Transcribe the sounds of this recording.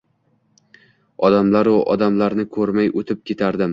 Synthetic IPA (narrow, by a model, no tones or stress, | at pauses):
ɒd̪amlaɾʊʔɒd̪amlaɾnɪkʰɵɾmajot̪ʰɪp̚kʲe̞t̪ʰaɾd̪ɪm